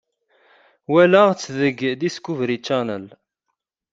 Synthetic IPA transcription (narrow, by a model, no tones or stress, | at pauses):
wælaʁt͡sːðəɡðiskːuvɾit͡ʃːænə̰l